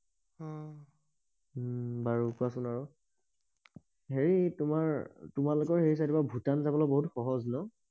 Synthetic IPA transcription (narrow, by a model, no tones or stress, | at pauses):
ɔ̃ | baɹukuasʊnaɹʊ | ɦeɹitʊmaɹtʊmalʊkɔɹɦeɹis̬atibabʱutanzabɔlɔjboɦutxɔɦɔznɔ